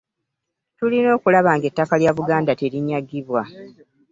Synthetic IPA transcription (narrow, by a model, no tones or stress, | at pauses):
tulino̞ːkulaβaːŋɡe̞tːakaljaːβuɡaːndate̞ɾiɲːaɡːiβwa